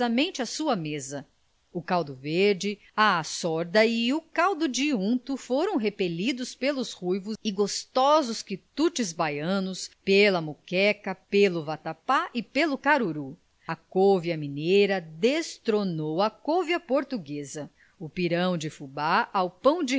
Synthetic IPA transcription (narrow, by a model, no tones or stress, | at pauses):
ɐmẽnt͡ʃɪɐsuɐmezɐ | ʊkawd̪ʊveɾd͡ʒɪ | aasɔɾd̪ɐiukawd̪ʊd͡ʒiũt̪ufoɾɐ̃w̃ɦepelid̪ʊspelʊshujvʊɪɡost̪ɔzʊskit̪ut͡ʃɪzbajɐ̃nʊspelɐmukɛkɐpelʊvat̪apaʔɪpelʊkaɾuɾu | ɐkovjɐminejɾɐd̪est̪ɾonowɐkovjɐpoɾt̪uɡezɐ | ʊpiɾɐ̃w̃d͡ʒɪfubaawpɐ̃w̃d͡ʒɪ